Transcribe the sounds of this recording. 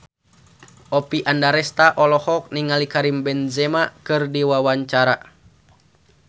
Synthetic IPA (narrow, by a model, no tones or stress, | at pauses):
ʔɔpiʔandaɾɛst̪aʔɔlɔhɔk̚niŋalikaɾimbɛnzɛmakɨrdiwawaɲt͡ʃaɾa